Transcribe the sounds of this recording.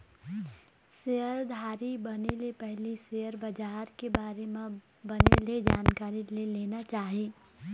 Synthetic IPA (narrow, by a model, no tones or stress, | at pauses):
sejəɾd̪ʱaːɾibɐnelepɛɦlisejəɾbɐd͡ʒaːɾkebaːɾemẽ | bɐnḛled͡ʒaːnkaːɾileleːnat͡ʃaːɦiː